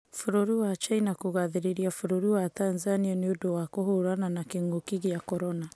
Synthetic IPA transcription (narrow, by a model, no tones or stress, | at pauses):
foɾoɾiwat͡ʃainakoɣaðeɾeɾiafoɾoɾiwatanzanianeodowakohoɾananakeŋɡokiɣeakɔɾɔna